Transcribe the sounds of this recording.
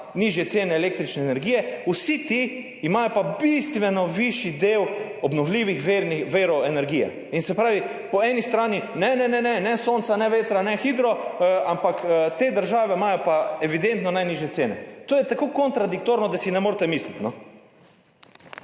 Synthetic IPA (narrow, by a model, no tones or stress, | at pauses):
niʒjɛtseːnɛːleːk̚t̪ɾit͡ʃnɛːnɛɾɡiːjɛusit̪iː | maːjɔpabist̪ʋɛnɔʋiʃjid̪eːw | ɔbnɔwliːʋixʋeɾniʋeːɾɔɛnɛɾɡiːjɛ̰ | insɛpɾaːʋi | pɔɛːnist̪ɾaːninɛnɛnɛnɛnɛsoːnt̪sanɛʋeːt̪ɾanɛxiːd̪ɾɔampakt̪eːd̪əɾʒaːʋɛmaːjɔpaɛʋid̪ent̪nɔnajniːʒjɛt̪seːnɛ̰t̪oːjɛt̪akoːkɔnt̪ɾad̪ik̚t̪oːɾnɔd̪asinɛmoːɾt̪ɛmislit̪nɔ